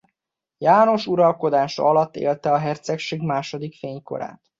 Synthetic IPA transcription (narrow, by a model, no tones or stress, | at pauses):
jaːno̞ʃuɾɒlko̞d̪aːʃɒlɒt̪ːḛːlt̪ɛɒɦɛrt̪sɛkʃeːɡmaːʃo̞d̪ikfeːɲko̞̰ɾa̰ːt̪